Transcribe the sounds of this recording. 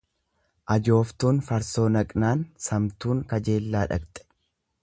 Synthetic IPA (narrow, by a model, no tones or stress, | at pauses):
ʔɐd͡ʒo̞ːft̪uːnfɐɾso̞ːnɐkʼnaːnsɐmt̪uːŋkɐd͡ʒe̞ːlːaːᶑɐ̰kt̪ʼɛ̥